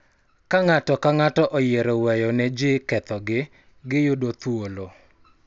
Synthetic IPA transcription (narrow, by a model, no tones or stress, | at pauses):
kaŋatɔkaŋatɔʔɔjeɾowɛjɔnɛd͡ʒɪkɛt̪ɔɡɪ | ɡɪjʊdot̪wolo